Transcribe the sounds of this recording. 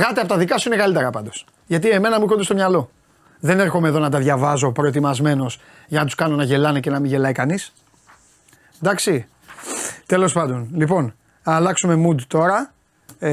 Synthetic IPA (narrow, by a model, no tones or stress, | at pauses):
ɣɐt̪eɐpot̪ɐðikɐsuine̞kɐlit̪eɾɐpɐnd̪o̞s | ʝɐt̪ie̞me̞nɐmuixo̞nd̪ɐsto̞mɲɐlo̞ | ðene̞ɾxo̞meðo̞nɐt̪ɐðʝɐvɐzo̞pɾo̞e̞t̪imɐzme̞no̞s | jʝɐnɐt̪u̥skɐno̞nɐʝe̞lɐnece̞nɐmiʝe̞lɐikɐnis | d̪ɐksi | t̪e̞lo̞spɐnd̪o̞nlipo̞n | ɐlɐksumemud̪t̪o̞ɾɐ